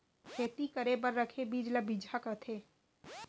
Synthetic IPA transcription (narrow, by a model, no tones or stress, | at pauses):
kʰeːt̪ikəɾebəɾːəkʰebiːd͡ʒlabid͡ʒʱakət̪ʰeː